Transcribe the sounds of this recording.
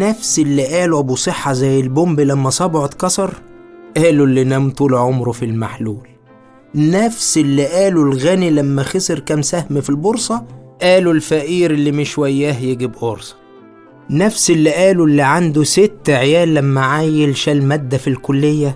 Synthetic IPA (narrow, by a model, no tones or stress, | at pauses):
næfsɪlːiʔæːluʔæbusˤeħːɑzæjːelbombilæmːæsˤɑːboʕot̪kɑsˤɑɾˤʔæːlulːinæmt̪ulʕomɾfilmaħluːl | næfselːiʔæːlulɣænilæmːæxeseɾkæmsæhmfilboɾsˤɑʔæːlulfæʔiːɾelːimɪʃwæjːæːhjeɡibʔoɾsˤɑ̥ | næfselːiʔæːlulːiʕand̪uset̪ːʕjæːlːæmːæʕajelʃælmæd̪ːæfilkʊlːejːæ